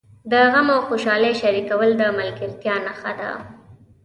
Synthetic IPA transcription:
d̪əɣamawxoʃɑleʃaɾikawəld̪əmalɡɪɾt̪jɑnaxad̪a̰

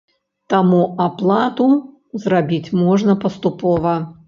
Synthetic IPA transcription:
t̪amuaplˠat̪u | zrabʲit͡sʲmɔʐnɐpɐst̪upɔvɐ

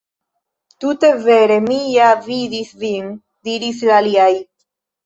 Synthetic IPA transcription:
t̪ut̪eveɾemijaviðisviŋ | d̪iɾislaliaj

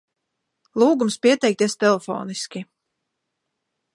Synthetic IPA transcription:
lˠuːɡumspʲiɛt̪ɛjk̚t̪iɛst̪ɛlˠefɔ̰ːniskʲi

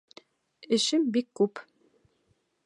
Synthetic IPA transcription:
ɘ̆ʃɘmbikːʉp

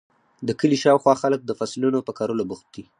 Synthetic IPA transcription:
d̪əkəliʃɑwxwɑxalək̚d̪əfaslunopəkɑɾolabuxt̪̚d̪i

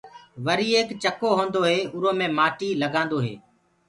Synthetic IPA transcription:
ʋəɾiːeːkt͡ʃəkoːɦõːnd̪oːɦeːʊɾõːmẽːmaːʈiːləɡãːnd̪oːɦḛː

